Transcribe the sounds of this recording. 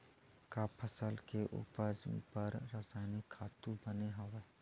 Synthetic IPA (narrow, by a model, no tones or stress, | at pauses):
kaːpʰəsəlkeʔṵːpəd͡ʒpəɾːaːsaːnikʰaːt̪ũbɐneɦɐʋeː